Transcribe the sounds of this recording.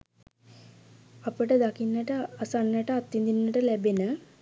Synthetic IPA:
ɐpəʈəd̪ɐkinːəʈəɐsanːəʈəat̪ːind̪inːəʈəlæbenə

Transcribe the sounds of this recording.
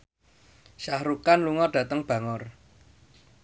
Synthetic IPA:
ʃahɾukanluŋɔɖ̥ä̤t̪əŋb̥ä̤ŋɔr

